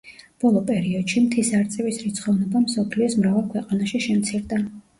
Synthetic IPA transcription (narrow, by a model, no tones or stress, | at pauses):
b̥ɔlˠɔpʼɛɾiɔd̪ʃimt̪ʰisaɾt̪sʼɛvisɾit̪sʰχɔvnɔbamsɔpʰliɔsmɾavɛlˠkʰwɛqʼanaʃiʃɛmt̪sʰiɾd̪a